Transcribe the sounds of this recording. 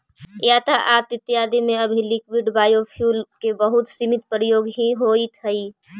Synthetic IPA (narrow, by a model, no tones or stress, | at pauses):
jaːt̪aʔaːt̪ɪt̪ːɪjaːd̪imẽɐbʱilɪk̚biɖbaːjopʰjuːlkebɐɦʊt̪simɪt̪̚pɾəjoːɡɦiɦoːit̪ʰəi